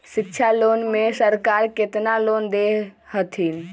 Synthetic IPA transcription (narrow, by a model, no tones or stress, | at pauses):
sɪkt͡ʃʰalonmẽsəɾkaɾket̪nalond̪ehət̪ʰin